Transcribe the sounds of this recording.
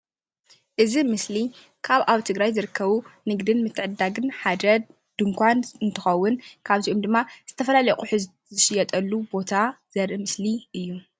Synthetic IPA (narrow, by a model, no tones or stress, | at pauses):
ʔɨzimɨsli | kʰaβaβt̪ʰɨɡɾajzɨɾɨkʰːɐβunɨɡd̪ɨnmɨt̪ʰːɨʕɨd̪ːaɡɨnħad̪ɐ | d̪̥ɨŋkʷʰanɨnt̪ʰɨxɐwːʊnkʰaβiʔomd̪ɨmːaz̥ɨt̪ʰɐfɐlalɐkʼuħɨz | ɨʃɪjɛt̪ʼɐlːubo̞t̪ʰaz̥ɐɾʔɨmɨsliʔɨjːu